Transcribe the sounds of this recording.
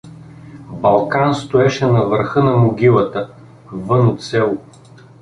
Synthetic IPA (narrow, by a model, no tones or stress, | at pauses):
bɐlˠkanst̪oɛʃɛnɐvəɾxɤnɐmoɡʲilˠɐt̪ə | vɤnot̪sɛlˠʊ